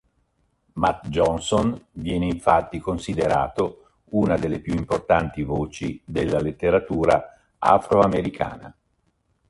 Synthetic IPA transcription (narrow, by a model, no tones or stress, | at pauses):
mat̪d͡ʒɔnsonvjɛːneiɱfat̪ːikonsid̪eɾa̰ːt̪o | uːnad̪elːepjuimport̪ant̪ivoːt͡ʃid̪elːalet̪ːeɾat̪uːɾa̰ | a̰fɾoameɾikʰa̰ːna̰